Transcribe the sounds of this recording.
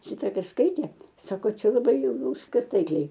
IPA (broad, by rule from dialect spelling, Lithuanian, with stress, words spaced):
ˈʃʲɪtɐ ˈkɐs ˈskɐɪtʲeː ˈsɑːkoː ˈt͡ʃʲɛ lˠɐˈbɐɪ jɛʊ ˈjɛʊ ˈʋʲɪskɐs ˈtɐɪklʲɛɪ